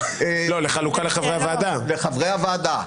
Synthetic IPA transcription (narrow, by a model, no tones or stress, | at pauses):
elo̞leχalukaleχavʁejavaːd̪aleχavʁejavaːd̪a